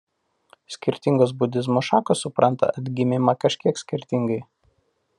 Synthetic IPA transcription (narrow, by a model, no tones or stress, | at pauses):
sʲkʲɪɾʲt̪ʲɪŋɡoːs̬bʊd̪ʲɪzmoʃɑːkoːsːʊpɾʔɐnt̪ɐ̰ɐd̪ʲɡʲɪmʲɪmɑkɐʃʲkʲiɛksʲkʲɪɾʲt̪ʲɪŋɡɐɪ